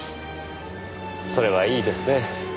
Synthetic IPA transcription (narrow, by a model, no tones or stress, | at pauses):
so̞ɾe̞βaiːd̪e̞sɨne̞